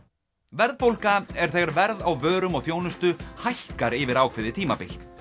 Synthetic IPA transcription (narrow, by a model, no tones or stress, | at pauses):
vɛɾðpowlkaɛɾ̥θɛːɣaɾvɛɾðawvœːɾʏmɔɣθjoːwnʏst̪ʏhajhkaɾɪvɪɾaːwkʰvɪðɪt̪ʰiːmapɪlt̪